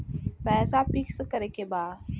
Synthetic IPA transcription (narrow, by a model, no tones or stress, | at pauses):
pɛːsapikskəɾekebaːd